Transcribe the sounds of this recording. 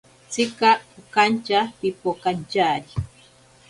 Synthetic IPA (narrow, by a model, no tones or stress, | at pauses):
t͡sikaukant͡ʃapipokant͡ʃaːɾi